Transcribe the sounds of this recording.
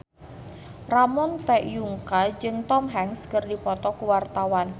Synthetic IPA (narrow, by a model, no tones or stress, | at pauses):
ramɔnt̪ɛʔjuŋkad͡ʒɨŋt̪ɔmɦɛŋskərdipɔt̪ɔkuwart̪awan